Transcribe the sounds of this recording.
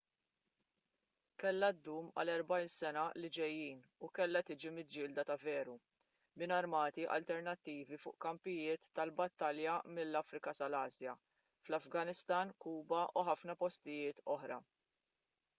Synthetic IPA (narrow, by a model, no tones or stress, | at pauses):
kɛlːɐd̪ːuːmɐ̰lɛɾbɐjnsɛnɐlɪd͡ʒɛjːiːnukɛlːɐt̪ɪːd͡ʒimɪd͡ʒːɪːld̪ɐt̪ɐvɛːɾu | mɪnɐɾmɐːt̪iʔɐ̰lt̪ɛɾnɐt̪ːiːvifʊ̰ːʔkɐmpɪjɪːt̪ːɐlbɐt̪ːɐljɐmɪlːɐfɾɪkɐsɐlɐːzjɐ | flɐfɡɐnɪst̪ɐːnkuːbɐʔuħɐfnɐpɔst̪ɪjɪːt̪ɔħɾɐ̰